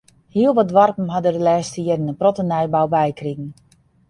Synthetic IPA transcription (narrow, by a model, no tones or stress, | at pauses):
hiəlˠʋɔtdʋarpəm̩ɦadərdəlɛːstəjɪdənəprɔtənɛjbawbɛjkriɣən̩